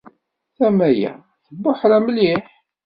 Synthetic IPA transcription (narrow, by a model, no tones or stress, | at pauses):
θæmæjæ̰ | θəbːʊħɾæmliħ